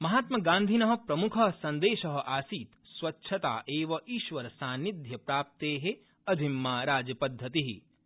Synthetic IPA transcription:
mɐɦaːt̪mɐɡãːnd̪ʱinɐɦɐ̆pɾɐmukʰɐɦsɐ̃nd̪eːʃɐɦɐ̆ʔaːsiːt̪ | sʋɐtːʃʰɐt̪a̰ːʔeːʋɐʔiːʃʋɐɾɐsaːnid̪ʱjɐpɾaːp̚t̪eːɦe | ɐd̪ʱimːaːɾaːd͡ʒjɐpɐd̪ʱːɐt̪iɦi

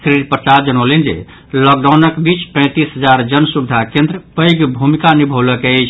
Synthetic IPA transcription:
kɾiɾpɾət͡ʃad͡ʒənəlend͡ʒḛ | lɔk̚ɖawnəkbit͡ʃpə̃j̃t̪isɦəd͡ʒaɾd͡ʒənsubid̪ʱakẽnd̪ɾəpəjɡbʱumikanibʱoləket͡ʃʰ

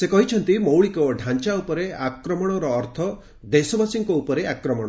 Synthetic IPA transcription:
sekɔɦit͡ʃʰɔnt̪imowɭikɔɖʱant͡ʃaupɔɾeakɾɔmɔɽ̃ɔɾɔːɾt̪ʰɔ | d̪esɔbasiŋkɔupɔɾeakɾɔmɔɽ̃ɔ

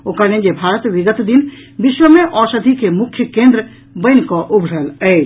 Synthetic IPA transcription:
okaned͡ʒebʱaɾət̪biɡət̪d̪inbiʃwəmeʔɔsəd̪ʱikemukʰjəkẽnd̪ɾə | bəɪnkɔʔubʱɽələɪt͡ʃ

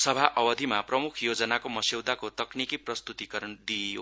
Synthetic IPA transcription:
sʌbʱaʔʌwʌd̪ʱimaprʌmukʰjod͡zʌnakomʌsewd̪akot̪ʌknikiprʌst̪ut̪ikʌɾʌnd̪io̰

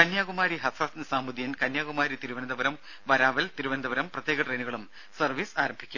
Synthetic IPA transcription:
kɐnjaːɣumaːɾiɦɐsɐsnɨsaːmuðijɐnkɐnjaːɣumaːɾit̪iɾuʋɐnɐd̪ɐbɐɾɐm | ʋɐɾaːʋɐlt̪iɾuʋɐnɐd̪ɐʋɐɾɐmprɐt̪jeːɡɐʈreːnuɣɐɭum | sɐrʋiːsaːɾɐmbʱikʲːum

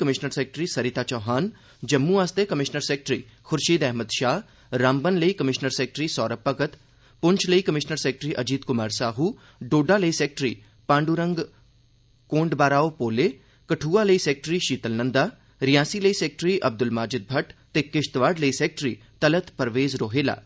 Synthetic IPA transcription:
kəmɪʃnəɾseːk̚ʈɾiːsəɾɪt̪aːt͡ʃɔːɦaːn | d͡ʒəmːũaːst̪ekəmɪʃnəɾseːk̚ʈɾiːxʰʊɾʃiːd̪ɛɦməd̪ʃaːɦ | ɾaːmbənləiːkəmɪʃnəɾseːk̚ʈɾiːsɔːɾəpːəɡət̪ | pʊɲt͡ʃʰləiːkəmɪʃnəɾseːk̚ʈɾiːʔɐd͡ʒiːd̪kʊmaːɾsaːɦuː | ɖoːɖaːləiːsɛːk̚ʈɾiː | pãːɳɖuɾə̃ŋɡ | kõːɳɖbaːɾaːoːpoːleː | kəʈʰuːaːləiːsɛːk̚ʈɾiːʃiːt̪əlnənd̪aː | ɾɪjãːsiːləiːsɛːk̚ʈɾiːʔɐb̚d̪ʊlmaːd͡ʒɪd̪̚bʱəʈt̪eːkɪʃt̪ʋaːɖləisɛːk̚ʈɾiːt̪ələt̪pəɾʋeːzɾoːɦeːla̰ː

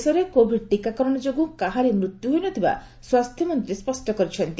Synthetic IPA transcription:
sɔɾekobʱiʈikakɔɾɔɽ̃ɔd͡ʒoɡukaɦaɾemɾut̪juɦojnɔt̪ʰiba̰ | swast̪ʰjɔmɔnt̪ɾispɔsʈɔkɔɾit͡ʃʰɔnt̪i

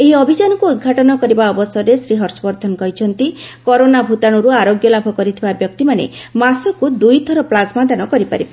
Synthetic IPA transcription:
eɦiɔbʱid͡ʒanɔkuud̪̚ɡʱaʈɔnɔkɔɾibaɔbɔsɔɾesɾiɦɔɾsɔbɔɾd̪ʰʱɔnkɔɦit͡ʃʰɔnt̪ikɔɾonabʱut̪aɽ̃ɔɾuaɾoɡjɔlabʱɔkɔɾit̪ʰibabjɔk̚t̪imanḛmasɔkud̪ujt̪ʰɔɾɔplasmad̪anɔkɔɾipa̰ɾib

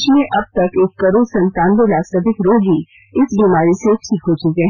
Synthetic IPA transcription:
t͡ʃmẽʔɐb̚t̪ɐkeːkːɐɾoːsɐ̃nt̪ãːnd̪olaːsəpɪkɾoːdʱi | ɪsbiːmaːɾisekt͡ʃʰikɦot͡ʃʊkeːɦ

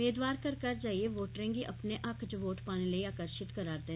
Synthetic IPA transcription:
eːd̪ʋaːɾkəɾkəɾd͡ʒaːieʋoːʈɾɪ̃ŋɡiʔəpneʔəkʰt͡ʃʋoːʈpaːñiləiaːkəɾʃɪt̪kəɾaːɾd̪eː

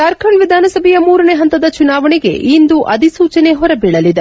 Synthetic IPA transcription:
t̪ɐɾkʰɐɳʋid̪ʱaːnɐsɐbʱɛjɐmuːɾɐneːɦɐnt̪ɐd̪ɐt͡ʃunaːʋɐɳiɡe̞̰ʔind̪uʔɐd̪ʱisuːt͡ʃɐneɦɔɾɐbiɭɐlid̪e

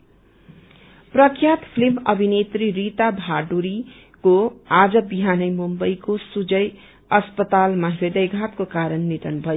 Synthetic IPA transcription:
prʌkʰjat̪pʰlimʌbʱinet̪ririt̪abʱaɖuɾi | koad͡zʌbiɦanʌjmumbʌjkosud͡zʌj | ʌspʌt̪almaɦɾed̪ʌjɡʱat̪kokaɾʌnːiʈ̪ʌnbʱʌjo

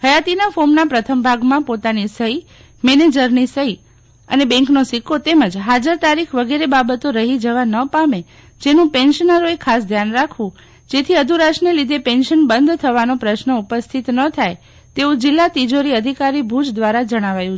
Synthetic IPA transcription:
həjat̪inafomnapɾət̪ʰəmbʱaɡmãpot̪anisəi | mɛned͡ʒəɾnisəi | ə̰nebɛ̃ŋknosikʰot̪eməd͡ʒɦad͡ʒəɾt̪aɾikʰʋəɡeɾebabət̪oɾəɦid͡ʒəʋanəpame | d͡ʒenũpenʃənəɾoekʰːasd̪ʱjanɾakʰũ | d͡ʒet̪ʰiəd̪ʱuɾaʃnelid̪ʱepenʃənbənd̪ʱt̪ʰəʋanõpɾəʃnəupəst̪ʰit̪nət̪ʰaj | t̪eũd͡ʒɪlːat̪id͡ʒoɾiəd̪ʱikaɾibʱud͡ʒd̪ʋaɾad͡ʒəɽ̃aʋajũ

